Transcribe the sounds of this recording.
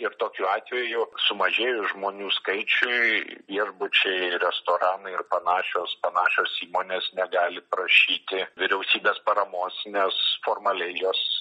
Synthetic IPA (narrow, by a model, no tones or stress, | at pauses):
ɪrt̪oːkʲuːɑːt̪ʲʋʲɛjʊsʊmɐʒʲeːjʊʒmoːnʲuːskɐɪt͡ʃʲʊɪʋʲiɛʒbʊt͡ʃʲɛɪɾʲɛst̪oːɾɑːnɐɪrpɐnɑːʃʲoːspɐnɑːʃʲoːsiːmoːnʲeːsnʲɛɡɑːlʲɪpɾɐʃʲiːt̪ʲɪʋʲɪɾʲɛʊsʲiːbʲeːspɐɾɐmoːsnʲɛsfoːrmɐlʲɛɪjoːs